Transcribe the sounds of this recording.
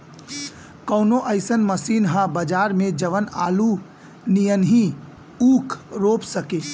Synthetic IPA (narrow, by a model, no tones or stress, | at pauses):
kɔːnoʔəɪsənməsiːnɦãbəd͡ʒaːɾmẽd͡ʒəʋəna̰ːlu | nijənɦi | uːkʰɾoːpsəkeː